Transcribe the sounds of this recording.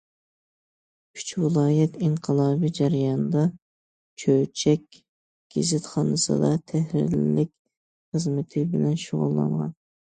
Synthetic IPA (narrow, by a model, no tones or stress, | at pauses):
kʲʰy̥t͡ʃʰwɨlˠɑːjɛt̪iɴqʰəlˠɑːbid͡ʒæɾjɑnd̪ɑ | t͡ʃʰøwt͡ʃʰɛkʲ | ɡ̥ʲɪzɪt̪χɑːnɨsɨ̰d̪ɑt̪ʰɛhɾɪ̰ɾlːɪkʲ | χəzmɪt̪ʰɪbɪlɛnʃoʁṵlˠːɑ̰nʁɑ̰n